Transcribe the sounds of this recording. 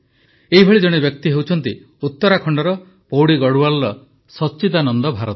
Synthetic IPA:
eɦibʱɔɭid͡ʒɔɽ̃ebjɔk̚t̪iɦewt͡ʃʰɔn̪t̪i | ut̪ːɔɾakʰɔɳɖɔɾɔ | powɽiɡɔɽualːɔ | sɔt͡ʃːit̪anɔnd̪ɔbʱaɾɔt̪

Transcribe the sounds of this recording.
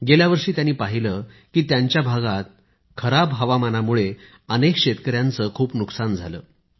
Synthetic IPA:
ɡeljaʋəɾʂiːt̪janːiːpaɦilə | kiːt̪jaɲt͡ɕjabʱaɡat̪̚ | kʰəɾabɦəʋamanamuɭe | ənekɕet̪kəɾjant͡səːkʰuːpnuksand͡zʱalə̰ː

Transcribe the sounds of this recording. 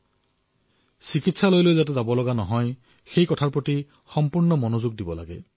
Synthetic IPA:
sikitsalojlojzat̬edabɔlɔɡanɔɦɔj | xejkɔtʰaɹpɹɔti | xɔmpuɹnɔmɔnozuɡ̚dibɔla̰ɡe

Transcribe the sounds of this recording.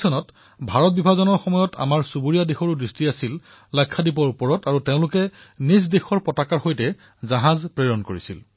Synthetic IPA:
ɔnɔt | bʱaɹɔt̚bibʱazɔnɔɹxɔmɔjɔta̰maɹsubuɹijadexɔɹudɹistiasil | lɔjkʰːadipɔɹupɔɹɔtaɹuteʊ̃lʊkɛnisdexɔɹpɔtakaɹxojtɛ | zaɦazpɹeɹɔnkoɹisḭl

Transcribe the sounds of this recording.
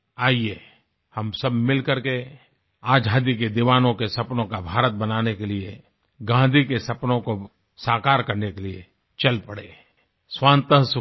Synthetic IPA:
aːieː | hɐmsɐbmɪlkɐɾke | aːd͡ʒʱaːd̪iked̪ɪʋaːnõkesɐpnõkabʱaːɾət̪̚bɐnaːnekelie | ɡãːnd̪ʱikesɐpnõko | saːkaːɾkɐɾnekeliḛ | t͡ʃɐlpɐɽḛː | swãːnt̪əɦs

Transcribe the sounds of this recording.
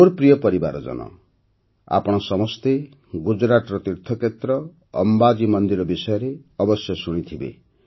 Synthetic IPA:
moɾpɾijɔpɔɾiba̰ɾɔd͡ʒɔ̰nɔ̰ | a̰pɔɽ̃ɔsɔmɔst̪e | ɡud͡ʒɾat̪ɔɾɔt̪iɾt̪ʰːɔket̪ɾɔ̰ː | mbad͡ʒimɔnd̪iɾɔbisɔjɔɾeɔbɔsjɔsuɽ̃it̪ʰibḛ

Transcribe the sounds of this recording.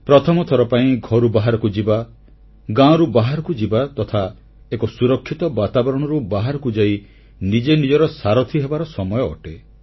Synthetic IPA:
pɾɔt̪ʰɔmɔt̪ʰɔɾɔpaĩɡʱɔɾubaɦaɾɔkud͡ʒiba | ɡãɔ̃ɾubaɦaɾɔkud͡ʒibat̪ɔt̪ʰa | ekɔsuɾɔkʰːit̪ɔbat̪abɔɾɔɽ̃ɔɾubaɦaɾɔkud͡ʒai | nid͡ʒenid͡ʒɔɾɔsaɾɔt̪ʰiɦebaɾɔsɔmɔjɔ̰ːʈe

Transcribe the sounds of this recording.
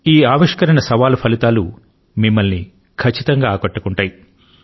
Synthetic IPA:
iːaːʋiʂkɐɾɐnɐsɐʋaːlupʰɐlit̪aːlṵ | mimːɐlni | kʰɐt͡ʃːit̪ɐŋɡaːkɐʈːɐkuɳʈaːji

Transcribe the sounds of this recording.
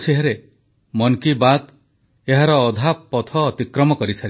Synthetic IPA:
siɦaɾe | mɔŋkibat̪ | eɦaɾɔːd̪ʱappːɔt̪ʰɔːt̪ikɾɔmɔkɔɾisʰaɾi

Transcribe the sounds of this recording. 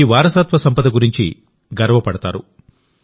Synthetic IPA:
iʋaːɾɐsaːt̪ʋɐsɐmpɐd̪ɐɡuɾiɲt͡ʃḭ | ɡɐɾɐʋɐpɐɽɐt̪a̰ːɾu

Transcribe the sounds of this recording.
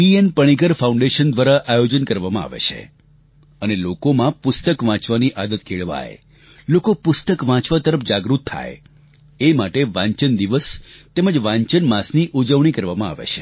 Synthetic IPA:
pienpəɽ̃ikəɾfauɳɖeʃənd̪ʋaɾaʔajod͡ʒənkəɾʋamãa̰ʋḛt͡ʃʰḛ | ənelokomãpʊst̪əkʋãt͡ʃʋaniʔad̪ət̪̚kʰeɭʋa̰jḛ | lokopʊst̪əkʋãt͡ʃʋat̪əɾəfd͡ʒaɡɾut̪ʰːa̰j | emaʈeʋãɲt͡ʃənd̪iʋəst̪eməd͡ʒʋãɲt͡ʃənmasniʔud͡ʒəʋɳ̃ikəɾʋamãa̰ʋḛt͡ʃʰe̥

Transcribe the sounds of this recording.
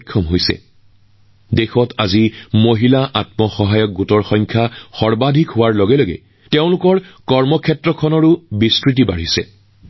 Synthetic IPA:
kʰːɔmɦojsɛ̰ | dexɔtazimoɦilaʔatmɔxɔɦajɔk̚ɡutɔɹxɔŋkʰjaxɔɹbadʱikɦʊwaɹlɔɡɛloɡɛ̰ | teʊ̃lʊkɔɹkɔɹmɔkʰɛtɹɔkʰɔnɔɹʊbiskɹit̬ibaɹisɛ̰

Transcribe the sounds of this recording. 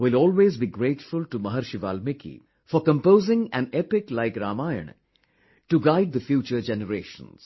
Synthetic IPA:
ʋɪlɔːlʋeːzbiɡɾeːʈfulʈumɐɦɐɾʃiʋa̰ːlmɪkʰḭ | fɔɾkə̃mpoːzɪ̃ŋæ̰̃nepɪklaɪkɾaːmaːjə̰ɳ | ʈuɡaɪɖ̚d̪əfjuːt͡ʃəɾd͡ʒenəɾeːʃə̰̃ns

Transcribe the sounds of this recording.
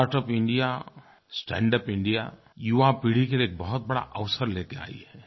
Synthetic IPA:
aːɾʈəpɪ̃ɳɖija | sʈɛ̃ːɳɖəpɪ̃ɳɖija̰ | juʋapiːɽ̤ikelieːk̚bɐɦʊt̪̚bɐɽa̰ʔɐʋsəɾleːkea̰ːḭɦɛː

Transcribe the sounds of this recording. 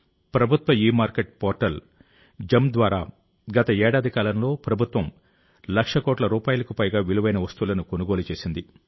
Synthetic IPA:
pɾɐbʱut̪ʋɐiːmaːɾkeʈ̚pɔːɾʈɐl | d͡ʒɐmd̪ʋaːɾa̰ː | ɡɐt̪ɐɛːɽaːd̪ʱikaːlɐmlo̞ːpɾɐbʱut̪ʋɐm | lɐkʂɐkɔːʈlɐɾuːpaːjulɐkupɐjɡaːʋiluʋɐjnɐʋɐst̪uːlɐnukonuɡo̞ːlut͡ʃe̞ːsind̪i

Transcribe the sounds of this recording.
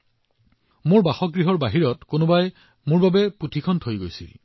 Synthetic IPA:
mʊɹbaxɔk̚ɡɹiɦɔɹbaɦiɹɔtkonobaj | mʊɹbabɛputʰikʰɔntʰojɡojsḭl

